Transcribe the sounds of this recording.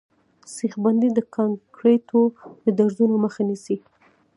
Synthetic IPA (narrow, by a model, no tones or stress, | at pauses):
sixband̪id̪əkʰɑŋkɾet̪ʰod̪əd̪aɾzunoməxanisi